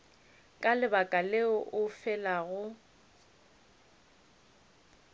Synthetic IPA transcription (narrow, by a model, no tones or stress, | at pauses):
kʼalɪbakʼaleʊʔʊfɛlaɣʊ